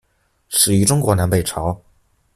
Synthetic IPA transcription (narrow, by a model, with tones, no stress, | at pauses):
ʂɻ̩˨˩y˧˥ʈ͡ʂʊ˥ŋkwɔ˧˥na˧˥npe˥˩ɪʈ͡ʂʰɑ˧˥ʊ